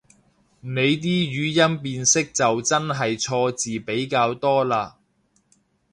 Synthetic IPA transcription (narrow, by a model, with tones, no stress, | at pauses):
ne˨˧jt̪̬iː˥jyː˨˧jɐ˥npiː˧nsɪ˥k̚t͡sɐ˨wt͡sɐ˥nɦɐ˨jt͡sʰɔː˧t͡siː˨pe˨˥jkaː˧wt̪ɔː˥laː˧